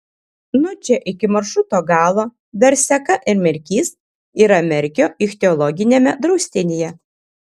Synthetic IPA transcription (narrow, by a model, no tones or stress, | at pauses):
nʊt͡ʃʲɛʔɪkʲɪmɐɾʃɾʊt̪oːɡɑːlˠoː | ʋʲɛɾʲsʲɛkɐʔɪɾmʲɛɾʲkʲiːs | iːɾɐmʲɛɾʲkʲoːɪxʲt̪ʲɛɔlˠɔɡʲɪnʲeːmʲɛd̪ɾɐʊsʲt̪ʲɪnʲejɛ